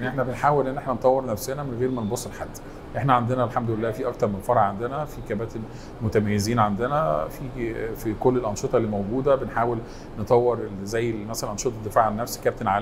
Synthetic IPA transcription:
niʔeħnæbenħaːwelʔenːʔeħnænet̪ˤɑwːeɾnæfsenæmenɣeːɾmænebosˤːelħad̪̥ː | ʔeħnæʕand̪enælħamd̪lelːæːfiʔɑkt̪ɑɾˤmenfɑɾˤʕʕand̪enæfikæbæːt̪ | mot̪æmæjːeziːnʕand̪enæfifikolːelʔɑnʃet̪ˤɑlːimowɡuːd̪æbenħaːwel | net̪ˤɑwːeɾzæjːemæsælælʔɑnʃet̪ˤed̪ːefaːʕalænæfsi̥kæb̚t̪enʕal

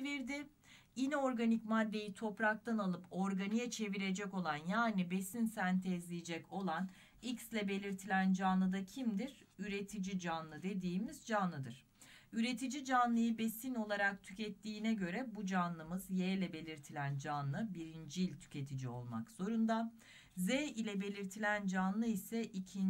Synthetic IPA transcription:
t͡ʃeviɾd̪ɪ | jinɛo̞ɾɡanicmad̪ːe̞jit̪ʰo̞pɾak̚t̪ʰanalˠɯpʰo̞ɾɡanijɛt͡ʃʰe̞viɾe̞d͡ʒɛko̞lˠanjaːnibe̞sinsænt̪ʰɛzlʲijid͡ʒɛcʰo̞lˠan | icslʲɛbe̞lʲiɾt̪ʰilʲænd͡ʒanlˠɯd̪acʰimd̪iɾ̥ | yɾe̞t̪ʰid͡ʒid͡ʒanlˠɯd̪e̞d̪iːmizd͡ʒanlˠɯd̪ɯɾ̥ | yɾe̞t̪ʰid͡ʒid͡ʒanlˠɯjɯbe̞sino̞lˠaɾak̚t̪ʰycʰɛt̪ːiːnɛɟø̞ɾɛbud͡ʒanlˠɯmɯzjejlʲɛbe̞lʲiɾt̪ʰilʲænd͡ʒanlˠɯbiɾind͡ʒiilʲt̪ʰy̥cʰe̞t̪ʰid͡ʒio̞̰lˠmakz̥o̞ɾund̪a | zɛilʲɛbe̞lʲiɾt̪ʰilʲænd͡ʒanlˠɯisɛʔicʰin

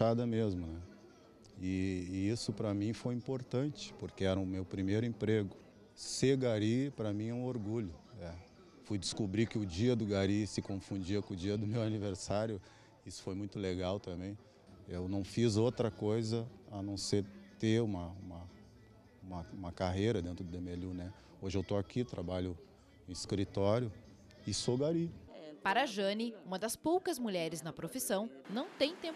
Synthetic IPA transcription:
ad̪ɐmezmʊnɛ | ɪːisʊpɾɐmĩfojĩmpoɾt̪ɐ̃t͡ʃɪ̥poɾkeɛɾɐʊmewpɾimejɾʊẽpɾeɡʊ | seɡaɾipɾɐmĩɛũoɾɡuʎʊɛ | fujd͡ʒɪskubɾikɪʊd͡ʒiɐd̪ʊɡaɾisɪkõfũd͡ʒiɐkõʊd͡ʒiɐd̪ʊmewaniveɾsaɾjʊ | isʊ̥fojmũj̃t̪ʊleɡawt̪ɐ̃bẽj̃ | ewnɐ̃w̃fizowt̪ɾɐkojzɐɐnɐ̃w̃set̪eũmɐũmɐ | ũmɐũmɐkaɦejɾɐd̪ẽnt̪ɾʊd̪ʊd̪emelunɛ | oʒɪewt̪oakit̪ɾʔabaʎʊ | ẽiskɾit̪ɔɾjʊ | ɪsoɡaɾipaɾɐʒɐ̃nɪũmɐd̪ɐspowkɐzmuʎɛɾɪznɐpɾofisɐ̃w̃nɐ̃w̃t̪ẽj̃t̪ẽm

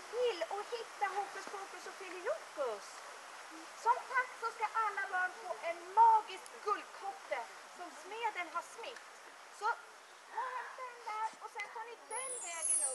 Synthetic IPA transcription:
t̪ʰɪlɔhɪt̪ːaɦʊːfəst̪oːfəsɔfɪlɪuːkːʊs | sɔmsak̚t̪sɔskaʔalːabœːnfʰɔʔɛnmɑːɡɪskɡɵld̪̚kʰɔʈːə | sɔmsmeːd̪ənɦaʂmɪt̪ː | sɔ | hɔnad̪ɛnd̪æɾɔsɛnt̪ʰɑːnɪd̪ɛnvɛːɡən

